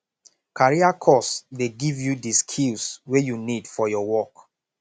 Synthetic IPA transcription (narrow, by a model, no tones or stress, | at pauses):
kaɹiakʰɔsdeɡivjudiskʰilswejunidfɔjɔwɔk